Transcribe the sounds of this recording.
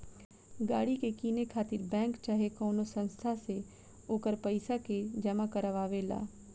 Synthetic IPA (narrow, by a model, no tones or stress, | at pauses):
ɡaːɽikekiːnekʰaːt̪ɪɾbɛ̃ːŋkt͡ʃaɦekɔːnosə̃nst̪ʰase | oːkəɾpəɪsaked͡ʒɐmakəɾəʋaːʋela̰ː